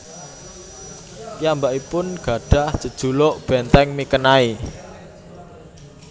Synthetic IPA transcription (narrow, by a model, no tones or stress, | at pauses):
jambaʔipʊnɡ̥a̤ɖ̥a̤hd̥ʒ̥ə̤d̥ʒ̥ṳloʔb̥ɛnt̪ɛŋmikənai